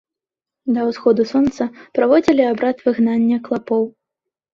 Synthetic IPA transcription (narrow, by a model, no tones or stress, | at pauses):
d̪ɐwsxɔd̪usɔnt̪sɐpɾavɔd͡zʲilʲiabɾat̪vɨɣnanʲːɐklˠapɔw